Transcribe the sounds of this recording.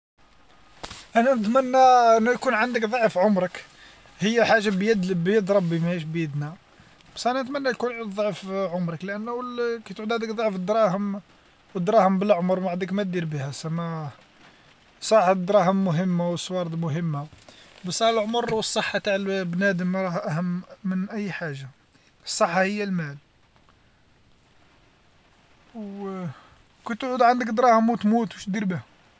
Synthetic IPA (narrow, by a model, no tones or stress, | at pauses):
ʔænænət̪mənːæənːujkunʕənd̪əkd̪ˤɑʕfʕʊmɾˤək | həjːæħaʒːabjəd̪bjəd̪ɾˤɑbːimæhiʃ̬bjəd̪na | b̥æsʔænænət̪mænːæjkunʕid̪ðdˤɑʕfʕʊmɾˤəklʔænːwlkæjt̪ʕud̪ʕæd̪əkd̪ˤɑʕfd̪ɾˤɑhəm | wəd̪ɾˤɑhəmbəlʕʊmɾˤmaʕd̪əkmæt̪̚d̪iɾbihæsæmæ | sˤɑħd̪ɾˤɑhəmːʊɦəmːawəsˤːwɑɾˤd̪ˤmʊɦəmːabəsɑlʕoməɾˤwəsˤːəħːɑt̪aʕlbnæd̪əmɾˤɑhʔæɦəmːənʔæjːħaʒːa | əsˤːəħːɑhəjːælmæl | w | kit̪ʕud̪ʕand̪əkd̪ɾˤɑhəmwt̪mut̪wuʃt̪̚d̪iɾbihʊm